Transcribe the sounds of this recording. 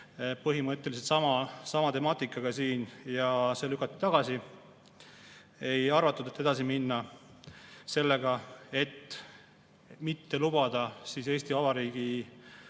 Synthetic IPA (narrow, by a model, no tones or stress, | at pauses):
pɤɦimɤt̪ʲːˑeliset̪sɑmɑsɑmɑt̪e̞mɑːt̪ːˑikːˑɑɡ̥ɑsiːnjɑse̞ːlykːˑɑt̪ːˑi̥t̪ɑɡ̥ɑsi | e̞jɑrvɑt̪ːˑud̪̥et̪ːˑe̞d̪ɑsiminːɑ | se̞lːe̞ɡɑe̞t̪ː | mit̪ːe̞lub̥ɑd̪̥ɑsise̞ːst̪iɑvɑɾiːɡ̥i